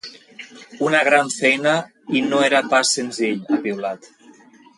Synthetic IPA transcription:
unaɣ̞ɾaɱfɛjna | inoeɾapasːenziʎaβiwlat̪

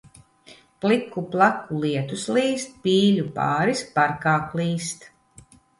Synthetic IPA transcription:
plˠikːuplˠakːulˠiɛt̪usliːst̪̚piːʎʲupa̰ːɾispaɾkaːklˠiːst̪

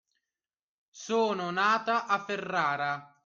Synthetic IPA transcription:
soːnʊnaːt̪aʔafːerːaːɾa

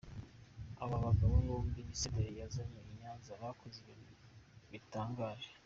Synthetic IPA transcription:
aβaβaɡaβoβoomdimisedeɾejazamoiɲaːnzaβakʰozeβinuβitaːŋɡaːʒe

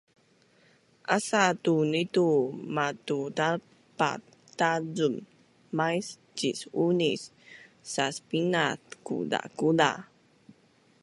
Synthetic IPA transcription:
ʔasatunitumatutal | pa̰ | tazumː | ajs | d͡ʒisunisː | aspinatkṵda̰kuda̰

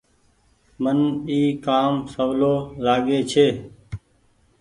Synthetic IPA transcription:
məniːkaːmsəʋloːlaːɡeːt͡ʃʰeː

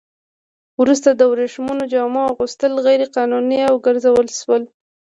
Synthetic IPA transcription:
wɾus̬t̪ad̪əwɾeʃmunod͡ʒɑmɑɣust̪əlɣajɾeqɑnuniawɡəɾzawəlʃwəl

